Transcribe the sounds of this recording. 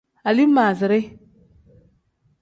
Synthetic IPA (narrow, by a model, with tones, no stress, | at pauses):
a˨li˦maː˨zɪ˨ɾɪ˦